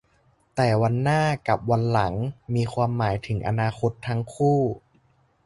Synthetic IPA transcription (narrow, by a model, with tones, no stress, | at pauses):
t̪ɛː˨˩wa˧nːaː˥˩ka˨˩p̚wa˧nla˩˦ŋmiː˧kʰwaː˧mːaː˩˦jt̪ʰɯ˩˦ŋʔa̰˧naː˧kʰo˦˥t̪ʰːa˦˥ŋkʰuː˥˩